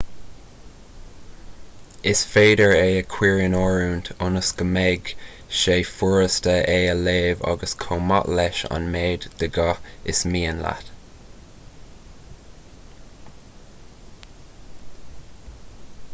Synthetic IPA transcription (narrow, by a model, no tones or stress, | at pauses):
ɪsfeːdəɹeːəkʰw̥iːɹənɔːɹuːnt̪ʰʊnəsɡ̥əmɛɡ | ʃeːfuɹəstəʔeːəleːvɑ̰ɡəskʰoːmɑ̰ʔlɛʃa̰nmeːd̪d̪̥əɡɑɪsmiːənla̰t̪